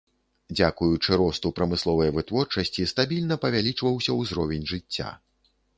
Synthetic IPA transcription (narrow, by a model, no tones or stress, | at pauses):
d͡zʲakujut͡ʂɨɾɔst̪upɾɐmɨslˠɔvɐjɐvɨt̪vɔrt͡ʂɐsʲt͡sʲist̪abʲilʲnɐpɐvʲalʲit͡ʂvɐwsʲɐwzɾɔvʲɛnʲʐɨt͡sʲːa̰